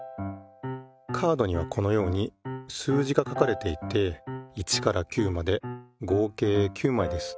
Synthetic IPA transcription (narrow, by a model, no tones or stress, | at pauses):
kʰaːd̪o̞ɲ̟iβ̞akʰo̞no̞jo̞ːɲ̟isɨːʑiɡakakaɾe̞t̪e̞it̪ːe̞it͡ɕi̥kaɾakʲɨːmad̪e̞ɡo̞ːke̞ːkʲʰɨːmaid̪e̞sɨ̥